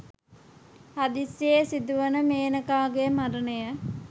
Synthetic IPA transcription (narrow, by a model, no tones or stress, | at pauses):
had̪isjesid̪uʋənəmeːnəkaːɡemaɾənəjə